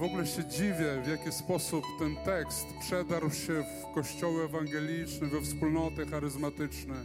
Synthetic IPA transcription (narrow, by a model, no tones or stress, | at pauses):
vɔɡulɛɕɛd͡ʑivʲjɛvjakʲispɔsupt̪ɛnt̪ɛkst̪pʂɛd̪aɾwɕɛf | kɔɕt͡ɕɔwɘɛvaŋɡɛlʲit͡ʂnɛvɛfspulnɔt̪ɘxaɾɘzmat̪ɘt͡ʂnɛ